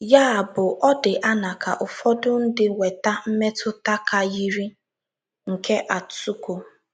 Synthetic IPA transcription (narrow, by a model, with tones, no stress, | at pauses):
ja˦˨bʊ˨ʔɔ˦dɪ˨ʔa˦na˨ka˨ʔʊ˨fɔ˦dʊ˦n̩˦dɪ˦ŋʷe˨ta˦m̩˦me˦tʊ˦ta˦ka˨ji˦ɾi˦ | ŋ̩˨ke˦ʔa˨ttu˦ko˨